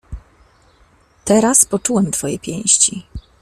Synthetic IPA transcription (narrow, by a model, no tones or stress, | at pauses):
t̪ɛɾaspɔt͡ʂuwɛmt̪fɔjɛpʲjɛ̃w̃ɕt͡ɕi